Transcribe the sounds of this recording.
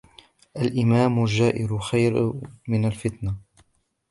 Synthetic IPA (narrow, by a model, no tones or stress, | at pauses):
ʔalʔɪmaːmʊld͡ʒːaːʔɪɾʊxajɾmɪnalfɪt̪na